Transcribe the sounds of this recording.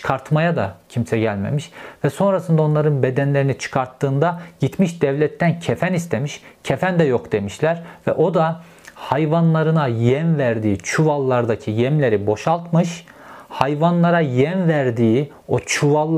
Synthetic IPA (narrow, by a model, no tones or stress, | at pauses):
t͡ʃʰɯ̥kʰaɾt̪majad̪a̰cʰimsɛɟælʲmḛmiʃvɛso̞nɾasɯnd̪ao̞nlˠaɾɯnbe̞d̪ænlʲeɾinit͡ʃʰɯ̥kʰaɾt̪ːɯːnd̪aɟ̥it̪miʃd̪ɛvlʲɛt̪ʰːæncʰefænist̪ʰemiʃcʰefænd̪ɛjokd̪e̞miʃlʲæɾvɛ̰ʔo̞d̪a | hajvanlˠaɾɯnajɛnvæɾd̪iːt͡ʃʰuvalˠːaɾd̪acʰijɛmlʲe̞ɾibo̞ʃalˠt̪mɯʃ | hajvanlˠaɾajɛnvæɾd̪iːi | o̞t͡ʃʰuvalˠː